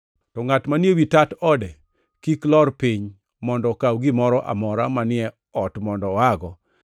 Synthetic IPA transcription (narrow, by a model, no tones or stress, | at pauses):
tɔŋatmanjewitatɔdɛ | kiklɔrpiɲ | mɔndɔkawɡimɔɾɔʔa̰mɔɾamanɪɛ | ɔtmɔndɔaɡɔ